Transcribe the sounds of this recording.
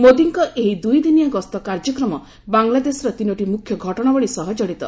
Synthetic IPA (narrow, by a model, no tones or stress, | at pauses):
mod̪iŋkɔʔeɦid̪ujd̪inijaɡɔst̪ɔkaɾd͡ʒɔkɾɔmɔ | baŋlad̪esɾɔt̪inɔʈimukʰːjɔɡʱɔʈɔɽ̃abɔɭisɔɦɔd͡ʒɔɽit̪ɔ